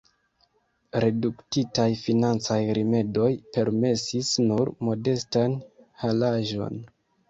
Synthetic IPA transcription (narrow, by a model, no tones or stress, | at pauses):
ɾe̞duktitajfinant͡sajɾʔime̞do̞jpe̞ɾme̞sisnuɾmo̞de̞stanhalaʒo̞̰n